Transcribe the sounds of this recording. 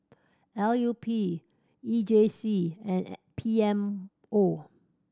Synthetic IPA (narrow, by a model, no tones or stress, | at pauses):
ɛljupʰi | id͡ʒesiɛ̃npʰiɛ̃m | o